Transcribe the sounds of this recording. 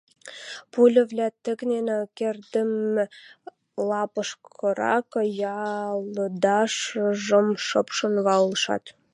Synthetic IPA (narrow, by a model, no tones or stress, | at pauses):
pulʲə̆βlʲæt̪ə̆ɣnenekerd̪əm | lɑpəʃkʰɤ̆ɾɑ̰kjɑləd̪ɑʃəʒə̆mʃɤpʃə̆nβɑləʃɑ̰t̪